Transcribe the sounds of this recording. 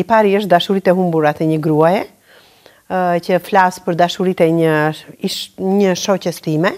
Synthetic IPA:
ipaɾiəʃ̬t̪̚d̪aʃuɾit̪ɛɦumbuɾat̪ɛɲəɡɾuajɛ | cəflaspəɾd̪aʃuɾit̪ɛəiɲəʃɔcəst̪imɛ

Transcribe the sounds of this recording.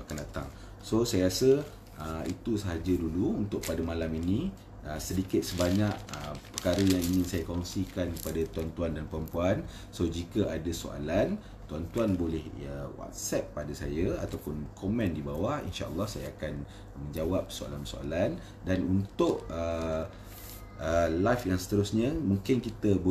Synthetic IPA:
akandat̪a̰ŋ | sosajəɾasə | ʔəḭt̪usəɦad͡ʒəduluunt̪ʊʔ̚padəmãlaminĩ | əsədikɪt̪̚səbaɲaʔ̚əpərkaɾəjaŋiɲĩnsajakɔŋsikankə̥padat̪uant̪uandanpəɾəmpuan | sod͡ʒikəʔadaso̰a̰lan | t̪uant̪uanbolɛhəwa̰t̪̚sɛp̚ːadasajəa̰t̪awpʊnkʰɔmɛ̃ndibawahḭnʃa̰ʔə̰lːɑhsajaːkan | mə̃ɲd͡ʒawap̚soa̰lansoa̰lan | danunt̪ʊʔə | ʔəlajfjaŋsə̥t̪əɾʊsɲə̃mũŋkɪnkit̪əbo

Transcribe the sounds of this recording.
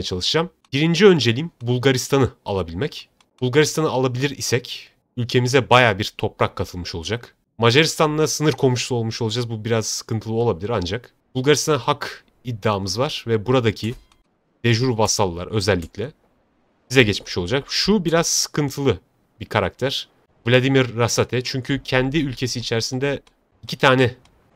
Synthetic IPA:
jɛt͡ʃʰalˠɯʃɯd͡ʒam | biɾind͡ʒiø̞nd͡ʒe̞lʲimbulˠɡaɾist̪ʰanɯa̰lˠabilʲmɛc | b̥ulˠɡaɾist̪ʰanɯalˠabilʲiɾisɛc | ylʲcʰe̞mizɛbajaːbiɾt̪ʰo̞pɾakʰːat̪ʰɯlˠmɯʃo̞lˠud͡ʒak | maʒaɾist̪ʰanːasɯnɯɾkʰo̞muʃlˠuo̞lˠmuʃo̞lˠud͡ʒazbubiɾazsɯ̥kʰɯnt̪ʰɯlˠɯo̞lˠabilʲiɾand͡ʒak | b̥ulˠɡaɾist̪ʰanɯhakʰ | id̪ːaːmɯzvaɾ̥vɛbuɾad̪acʰi | d̪̥eʒuɾvasalˠɯːa̰ɾø̞zɛlʲːicʲlʲɛ | bizɛɟɛt͡ʃmi̥ʃo̞lˠud͡ʒakʃubiɾaz̥sɯ̥kʰɯnt̪ʰɯlˠɯ | bikʰaɾak̚t̪ʰæɾ̥ | vlʲad̪imiɾːasat̪ʰɛt͡ʃʰyɲcʰycʰɛnd̪iylʲcʰe̞siːt͡ʃʰæɾsind̪ɛ | icʰit̪ʰaːnɛ

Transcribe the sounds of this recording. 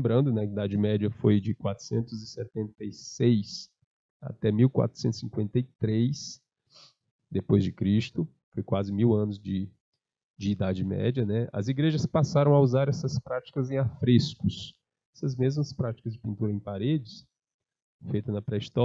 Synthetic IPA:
bɾɐ̃nd̪ʊnɛkɪid̪ad͡ʒɪmɛd͡ʒɐfojd͡ʒɪkwat̪ɾʊ̥sẽnt̪ʊzɪsɛt̪ẽnt̪ejsejs | a̰t̪ɛmiwkwa̰t̪ɾʊ̥sẽnt̪ʊ̥sĩŋkwẽnt̪ejt̪ɾejs | d̪epojzd͡ʒɪkɾist̪ʊ | fojkwazɪmiwɐ̃nʊzd͡ʒɪ | d͡ʒɪːd̪ad͡ʒɪmɛ̰d͡ʒɐnɛɐ̰ziɡɾeʒɐspasaɾɐ̃w̃auzaɾɛsɐspɾat͡ʃi̥kɐzẽj̃afɾeskʊs | ɛsɐzmezmɐspɾat͡ʃi̥kɐzd͡ʒɪpĩnt̪uɾɐẽpaɾed͡ʒɪs | fejt̪ɐnɐpɾɛist̪ɔ

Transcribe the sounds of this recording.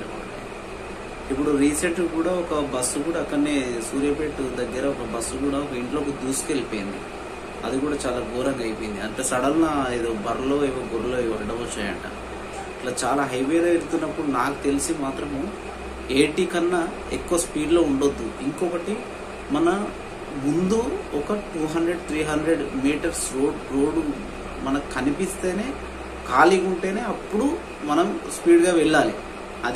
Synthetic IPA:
ip̬ːuɽuɾiːseʈːkuːɽaːɔkɐbɐsːukuːɽaɐkːɐɽneːsuːɾjɐpeːʈud̪ɐɡːɐɾɐɔkɐbɐsːukuːɽaːɔkɐiɳʈlo̞ːked̪uːsu̥kelipoːjind̪ḭ | ɐd̪ikuːɽaːt͡ʃaːlaːɡ̪ɔːɾɐŋɡaːjpojind̪iɐɳʈeːsɐɽɐlnaid̪obɐɾɐlo̞ːiʋoːɡoɾulo̞ːiʋɐɐɖɐmɔt͡ʃːaːjɐ̰ɳʈa̰ː | ɐʈlaːt͡ʃaːlaːɦɐjʋeːɾɐːeɾut̪unːɐpːuɽunaːku̥t̪e̞lisimaːt̪ɾɐm | eːʈiːkɐnːɐ | ḛkːuʋɐspiːɖlo̞ːuɳɖod̪ːuiŋkɔːkɐʈi | mɐnɐ | mund̪uɔkɐʈuːɦɐɳɖɾe̞ɖt̪ʰɾiːɦɐɳd̪ɾeɖmiːʈɐɾsɾoːɖɾoːɖu | mɐnɐkkɐnipist̪e̞ːne̞ː | kaːliɡuɳʈe̞ːne̞ːɐpːuɽu | mɐnɐmspiːɖɡaːʋɛɭːaːlḭ | ɐd̪

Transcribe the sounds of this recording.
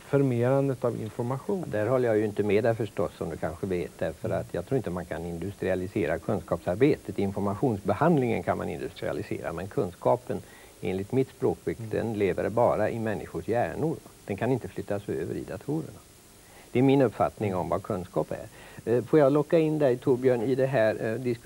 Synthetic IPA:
fɔɾmeːɾand̪ət̪avɪ̰nfɔɾmaɧuːnd̪æɾɦɔlːəjajɵɪnt̪əmɛd̪ɛfœʂʈɔsːɔmd̪ɵkʰanɧəveːt̪̚d̪æɾfəɾat̪ʰjɑ̰ɡt̪ʰɾuːɾɪnt̪əmankʰanɪnd̪ɵst̪ɾɪalɪseːɾakʰɵnskɑːpsaɾbeːt̪ət̪ɪnfɔɾmaɧuːnsbɛhand̪lɪŋə̰nkʰanma̰nɪ̰nd̪ɵst̪ɾɪ̰a̰lɪsḛːɾa̰mɛnkʰɵnskɑːpən | ḛːnlɪt̪mɪt̪spɾoːkvɪkd̪ɛ̰nleːvə̰ɾbɑːɾaʔɪmɛnːɪɧʊʂjæːɳʊɾad̪̥ɛnkʰanɪnt̪əflʏt̪ːasøːvə̰ɾɪ̰d̪at̪ʰuːɾə̰ɳa | d̪̥ɛæɾmɪnɵpfa̰t̪nɪŋɔmvakʰɵnskɑːpæ̰ɾfoːjɑlɔkːaɪnd̪ɛt̪ʰuɾbjøːɳɪd̪ɛɦæɾd̪ɪsk

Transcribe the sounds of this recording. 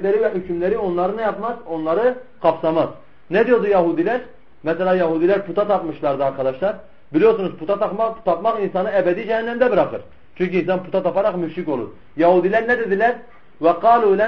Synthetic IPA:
læɾivæɦycʰymlæɾio̞nlˠɑɾɯnɛjɑpmɑzo̞nlˠɑɾɯ | kʰɑpsɑmɑz̥ | nɛd̪ijod̪ujɛɦud̪ilæɾ | mɛsɛlæjɑɦuːd̪ilʲæɾpʰut̪ʰɑt̪ʰɑpmɯʃlˠɑɾd̪ɯɑɾkʰɑd̪ɑʃlˠɑɾ | bilijoɾsunuzpʰut̪ʰɑt̪ɑɑt̪ʰɑpmɑχinsɑnɯɛbɛd̪id͡ʒɛhænːæmd̪æbɯɾɑχɯ̰ɾ | t͡ʃʰyɲʲcinsɑnpʰut̪ɑt̪ʰɑpɑɾɑχmyʃɾiko̞lˠṵɾ | jɑhuːd̪ilæɾnɛd̪ed̪ilæɾ | vɛqɑːluːlæ

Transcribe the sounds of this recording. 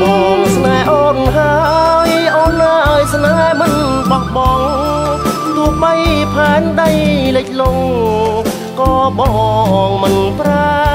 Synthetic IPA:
ɓɑːŋsnaɛʔɔːnɦajʔoːnːaːʔaɔjsnaɛmɨn | ɓɑhɓɑːŋ | t̪ʊəhɓəjpʰaɛnɗəjleːk̚loŋ | kɑːɓɑːŋmɨnpra

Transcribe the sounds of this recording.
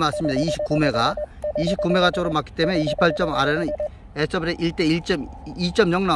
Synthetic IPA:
mas͈ɯmɲid̪aiɕʰi̥k͈ume̞ɡaiɕʰipk͈ume̞ɣat͡ɕ͈ʌɡɯɾomak͈i̥t͈e̞mune̞iɕʰi̥pʰaɭt͡ɕ͈ʌmaɾenɯn | es͈ʰʌbɾeʔiɭt͈e̞iɭt͡ɕ͈ʌmit͡ɕ͈ʌmɲjʌŋna

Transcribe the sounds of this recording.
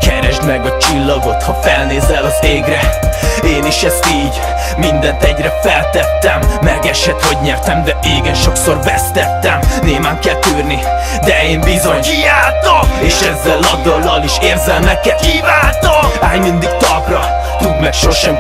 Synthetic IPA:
kɛɾɛʒd̪mɛɡɒt͡ʃilːɒɡo̞t̪hɒfɛlneːzɛlɒzeːɡɾɛeːniʃɛst̪iːɟː | ind̪ɛnt̪ɛɟrɛfɛlt̪ːɛt̪ːɛmːɛɡɛʃhɛt̪ho̞ɟɲɛrt̪ɛmd̪ɛiːɡɛnʃo̞kso̞rbɛst̪ɛt̪ːɛmneːmaːŋkɛlt̪yːrni | d̪ɛeːmbizo̞ɲkijaːlt̪oeːʃɛzːɛlːɒd̪ɒlːɒliʃeːrzɛlmɛkːɛt̪kivaːt̪oaːjmind̪iɡt̪ɒɡrɒ | t̪ud̪mɛɾʃo̞rʃɛm

